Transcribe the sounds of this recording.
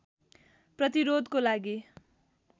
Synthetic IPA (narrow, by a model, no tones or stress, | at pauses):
prʌt̪iɾod̪kolaɡi